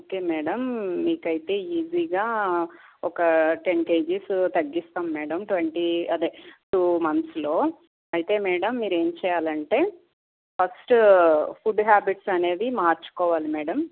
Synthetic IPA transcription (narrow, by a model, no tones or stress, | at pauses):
oːkeːmɛːɽɐmːiːkɐjit̪e̞ːiːd͡ʒiːɡaː | ɔkɐʈenke̞ːd͡ʒist̪ɐɡːist̪aːmːɛːɽɐmʈwʋeɳʈiɐd̪eːʈuːmɐnslo̞ː | ɐjit̪e̞ːmɛːɽɐmːiːɾe̞ːmt͡ʃɛːjaːlɐɳʈe̞ː | pʰɐsʈpʰuɖɦaːbiʈsɐne̞ːd̪imaːɾt͡ʃu̥kɔːʋaːlimɛːɽɐm